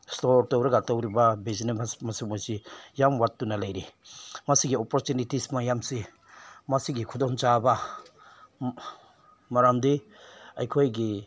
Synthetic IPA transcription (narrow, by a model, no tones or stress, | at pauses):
stoɾtawɾaɡatawɾibabezinabasmasimojsijamwatːunalajɾimasiɡiɔpɔɾtunitismajamsi | masiɡikʰudɔŋt͡ʃaba | maɾamdi | ajkʰojɡi